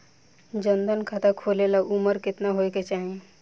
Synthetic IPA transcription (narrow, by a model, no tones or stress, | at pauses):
d͡ʒənd̪ənkʰat̪akʰoːlelaʔuməɾkɪt̪naɦojket͡ʃaːɦiẽ